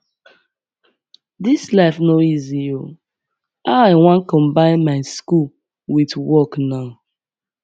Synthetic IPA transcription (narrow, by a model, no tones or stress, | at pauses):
dislaɪfnoizio | aʊaɪwãnkɔ̃mbãɪ̃nmaɪskul | witwɔknaʊ